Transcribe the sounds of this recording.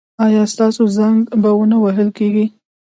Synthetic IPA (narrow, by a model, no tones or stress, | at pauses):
ɑjɑst̪ɑsozaŋɡbawənawaɦəlkeɡi